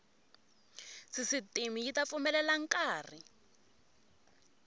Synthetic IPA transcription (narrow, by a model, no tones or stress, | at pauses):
sisitimijitafumɛlɛlaŋ̩kaːri